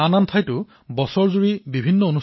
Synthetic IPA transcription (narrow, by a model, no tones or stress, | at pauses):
anantʰajtʊ | bɔsɔɹzuɹibibʱinːɔonu